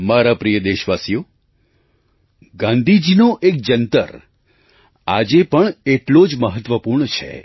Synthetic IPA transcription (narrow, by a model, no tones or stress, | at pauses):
maɾapɾijəd̪eʃʋasijo | ɡãnd̪ʱid͡ʒinoʔek̚d͡ʒənt̪ə̰ɾ | ad͡ʒepəɳeʈlod͡ʒməɦət̪ʋəpuɾɳət͡ʃʰḛ